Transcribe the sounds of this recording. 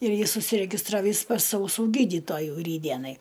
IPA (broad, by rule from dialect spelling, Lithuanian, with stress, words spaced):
ɪr ˈjɪs ʊʃʲsʲɪrʲɛɡʲɪsˈtrɑːʋʲiːs pɐs ɐʊˈsuː ˈɡʲiːdʲiːtoːjuː ˈrʲiːdʲdʲiɛnɐɪ